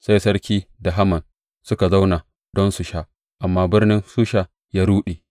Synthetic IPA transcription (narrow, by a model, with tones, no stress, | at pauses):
sa˦jsɐ˦ɾkʲiː˦da˨ɦa˦mɐ˨n | sʊ˦ka˨za˦wna˨ | d̥ɔ˦nsu˨ʃaː˦ | ʔa˨mːaː˦bɪ˦rnɪ˦nsuː˦ʃa˨ | jaː˦ɾuː˦ɗe˨